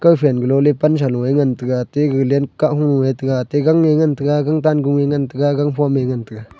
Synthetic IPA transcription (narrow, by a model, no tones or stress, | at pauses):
kəwpʰɛnɡəlɔlepans̬alũeŋant̪ɨkat̪eɡɯlɛnkaʔhũŋuet̪ɨkat̪eɡaŋːeŋant̪ɨkaɡaŋt̪anɡuŋeŋant̪ɨkaɡaŋpʰɔmeŋant̪ɨka